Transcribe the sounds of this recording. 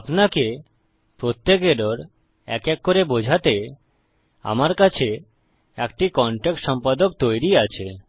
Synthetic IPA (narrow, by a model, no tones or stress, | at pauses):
apnake | pɾot̪ːekeɾoɾ | ɛ̰kekːoɾebod͡ʑʱat̪e | a̰maɾkat͡ɕʰe | ek̚ʈikɔɳʈek̚ʈʃɔmpad̪ok̚t̪ojɾiat͡ɕʰe